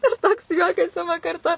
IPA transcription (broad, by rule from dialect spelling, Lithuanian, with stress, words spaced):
ɪr ˈtoːks ˈjuɔkɐs ˈɪmɐ kɐrˈtʊ